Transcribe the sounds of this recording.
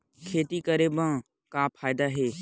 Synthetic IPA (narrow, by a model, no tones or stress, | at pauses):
kʰeːt̪ikəɾebə̃ | kaːpʰaːjɪd̪aɦeː